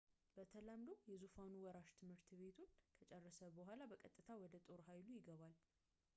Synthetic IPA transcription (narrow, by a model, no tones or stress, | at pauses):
b̥ət̪ʰələmd̪owjɛzufanuwɔɾaʃt̪ʰɨmhɨɾt̪ʰβe̞t̪ʰunkʰət͡ʃʼɛrːəsəbəɦʷalabəkʼət̪ʼːɨt̪ʰawɔd̪ət̪ʼo̞ɾhajlujɪɡəβal